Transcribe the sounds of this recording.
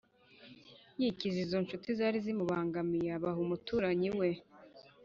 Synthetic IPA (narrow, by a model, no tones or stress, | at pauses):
jicizizo̞nʃutizaːɾizimuβaːŋɡamijaβaɦumutuːɾaɲiwe̞